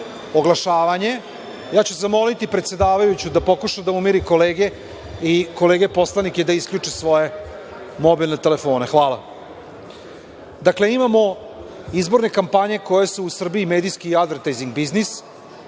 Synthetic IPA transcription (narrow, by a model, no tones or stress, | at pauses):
oɡlˠaʃaːʋaɲe̞ | jaːt͡ɕusezamo̞lit̪ipɾet̪sʲe̞d̪aːʋajut͡ɕud̪apo̞kuʃad̪aumiɾiko̞leːɡe̞ | iko̞le̞ːɡe̞po̞slaniked̪aiskʎʲut͡ʂisʋo̞je̞ | mo̞bilnet̪e̞le̞fo̞ːnexʋaːlˠa̰ | d̪akle̞imamo̞ | izbo̞ɾne̞kampaɲe̞ko̞jesuːsr̩biimeːd̪iskiad̪ʋeɾt̪ajziŋɡ̚biznis